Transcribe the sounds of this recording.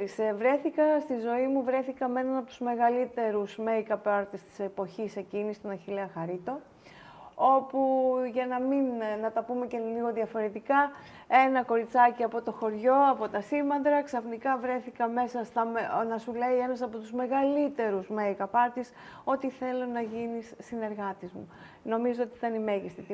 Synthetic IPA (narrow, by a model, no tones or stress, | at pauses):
ɾisevɾe̞θikɐst̪izo̞imuvɾe̞θikɐme̞nɐnɐpot̪uzme̞ɣɐlit̪e̞ɾusme̞ikɐpɐɾt̪ist̪i̥sepo̞çise̞cinist̪onɐçileɐxɐɾit̪o̞ | o̞puʝɐnɐminnɐt̪ɐpume̞ce̞liɣo̞ðiɐfo̞ɾe̞t̪ikɐ | e̞nɐko̞ɾit͡sɐciɐpo̞t̪o̞xo̞ɾʝo̞ɐpo̞t̪ɐsimɐnd̪ɾɐksɐfnikɐvɾe̞θikɐme̞sɐst̪ɐnɐsule̞ie̞nɐsɐpo̞t̪uzme̞ɣɐlit̪e̞ɾuzmeikɐpɐɾt̪iso̞t̪iθe̞lo̞nɐʝinisːine̞ɾɣɐt̪izmṵ | no̞mizoot̪iit̪ɐnime̞ʝist̪it̪i